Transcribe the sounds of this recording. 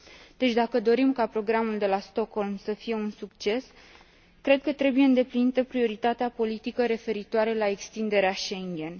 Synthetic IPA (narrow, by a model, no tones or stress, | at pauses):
d̪̥e̞t͡ʃʲd̪akəd̪o̞ɾimkapɾo̞ɡɾamuld̪e̞last̪o̞kho̞lmsəfije̞unsukt͡ʃe̞s | kɾe̞d̪̚kət̪ɾe̞buje̞ɨnd̪e̞plinit̪əpɾio̞ɾit̪at̪eapo̞lit̪ikəɾe̞fe̞ɾit̪oaɾelae̞kst̪ind̪e̞ɾeaʃe̞ŋɡʲe̞n